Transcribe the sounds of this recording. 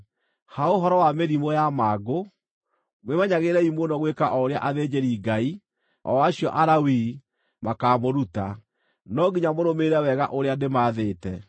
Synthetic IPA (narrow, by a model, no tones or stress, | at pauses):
haoɦɔɾɔwameɾimojamaːɡo | mwemaɲaɣeɾɛimonɔɣwekaʔɔɾea̰ʔaðed͡ʑeɾiːɡai | ɔ̰waɕiɔʔaɾawiː | makaːmoɾuta | nɔɡiɲamoɾomeɾɛwɛɣaʔoɾeademaːðeːtɛ